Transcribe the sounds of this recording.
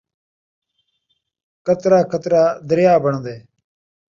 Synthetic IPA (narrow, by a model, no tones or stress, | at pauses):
kət̪ɾaːkət̪ɾaːd̪əɾjaːbəɳd̪eː